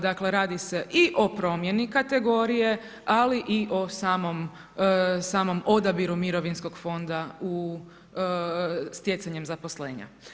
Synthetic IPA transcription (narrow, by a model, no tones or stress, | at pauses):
d̪akle̞ɾaːd̪ise̞ʔiʔo̞pɾo̞mje̞nikat̪e̞ɡo̞ɾije̞ | aliʔiʔo̞saːmo̞m | saːmo̞mo̞d̪abiɾumiɾo̞ʋinsko̞ɡ̥fo̞nd̪au | st̪je̞t̪saɲemzapo̞sle̞ːɲa̰